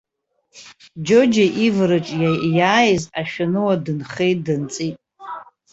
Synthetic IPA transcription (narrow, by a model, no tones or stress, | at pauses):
d͡ʒod͡ʒaʔivɾɨt͡ʃʼajaːjɪzaʃᶣanɨwadɨnχejtʼdɨnt͡sʼitʼ